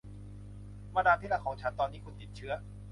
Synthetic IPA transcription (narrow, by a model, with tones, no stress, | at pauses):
ma˧daː˧p̪ʰi˦˥˩la˧˥˩kʰɔː˩˦ŋt͡ɕʰa˦˥nt̪ɔː˧nːiː˥˩kʰu˧nt̪i˨˩t̪̚t͡ɕʰɯ˦˥ɐ